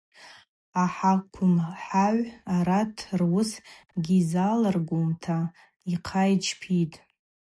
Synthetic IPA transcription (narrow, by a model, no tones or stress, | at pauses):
aħakʷʰʊmħaʕʷaɾatʰrwʊsɡʲizalarɡʷumtʰa | iqʰajt͡ʃʰpʰitʼ